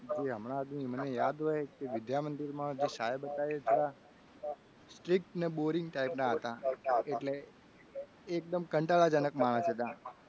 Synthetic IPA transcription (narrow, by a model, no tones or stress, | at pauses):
d͡ʒeɦəmɽ̃ãːd̪mimənejad̪ɦɔjkeʋɪd̪jamənd̪iɾmãd͡ʒeʃajəbət̪aiet̪ʰoɽa | sʈɾɪk̚ʈneboɾɪŋɡʈaipnãɦət̪aeʈle | k̚d̪əmkəɳʈaɭad͡ʒənəkmaɽ̃əsɦət̪a